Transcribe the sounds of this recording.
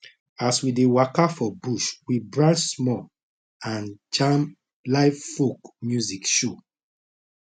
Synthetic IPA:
aswidewakafɔbuʃwibɹãnsmɔ | ãnt͡ʃãm | laɪffokmjuzikʃo

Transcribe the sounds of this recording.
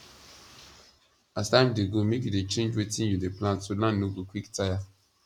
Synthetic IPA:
astãmdeɡomekjudet͡ʃẽnd͡ʒwetĩnjudeplãntsolãnːoɡokʰwiktaja

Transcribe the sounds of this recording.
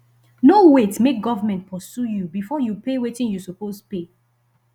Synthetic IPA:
nowetmek̚ɡɔvəmɛ̃nt̚pʰɔsjujubifɔjupewetɪ̃ŋjusupospe

